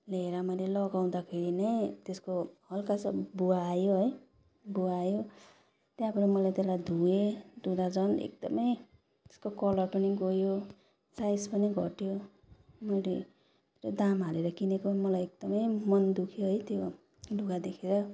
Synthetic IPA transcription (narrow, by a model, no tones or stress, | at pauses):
leɾʌmʌjlelʌɡaw̃d̪akʰeɽinʌjt̪eskohʌlkasʌbuaːjoɦʌj | buaːjo | t̪jãpʌɾimʌlajt̪elajd̪ʱued̪ud̪ad͡zʌnḛk̚d̪ʌmʌj | t̪e̥skokʌlʌrpʌniɡojo | sajspʌniɡʱʌ̰ʈjo | mʌjle | eɾad̪amɦaleɾʌkinekomʌlajek̚d̪̥ʌmʌjmʌnd̪ukʰjoɦʌjt̪jo | lʱuɡad̪ekʰeɾʌ